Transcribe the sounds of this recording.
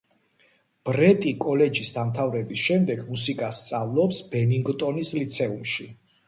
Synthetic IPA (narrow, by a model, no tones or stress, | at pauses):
b̥ɾɛt̪ʼikʼɔlɛd͡ʒisd̪amt̪ʰavɾɛbisʃɛmd̪ɛɡmusikʼast̪sʼavlˠɔpsb̥ɛniŋɡt̪ʼɔnislit̪sʰɛumʃi